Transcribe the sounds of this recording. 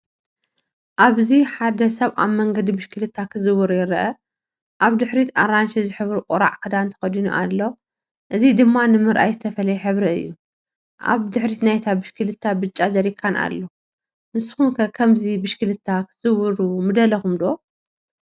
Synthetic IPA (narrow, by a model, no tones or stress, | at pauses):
ʔaβziħad̪ɐsɐβa̰βmɐŋɡɐd̪ibɨʃkʰɨlɨt̪ʰːakʰɨzɨwɨɾujɪɾɐʔɐ | ʔaβd̪ɨħɾit̪ʰaɾanʃizɨħɨβɾuqʼɔɾa̰ʕkʰɐd̪ant̪ʰɐ̥xɐd̪inuʔa̰lːo | ʔɨzid̪ɨmːanɨmɨɾʔajzɨt̪ʰɐfɐlɐjɛħɨβɾiɨ̰jːu | ʔa̰βd̪ɨħɾit̪najt̪ʰabɨʃkʰɨlɨt̪ʰːabɨt͡ʃʼːazɐɾikʰːanʔa̰lːo | nɨsɨ̥xunkʰɐkʰɐmzibɨʃkɨlɨt̪ʰːakʰɨz̥ɨwɨɾumɨd̪ɐlɐxumd̪o